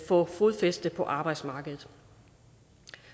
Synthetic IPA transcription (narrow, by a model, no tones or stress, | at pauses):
fɔ̰̽ːfʁuðˠfesd̥əpʰɒ̽ʔɑ̈ːb̥ɑ̈ɪd̥smɑ̈ːɡ̥əðˠð̩ˠ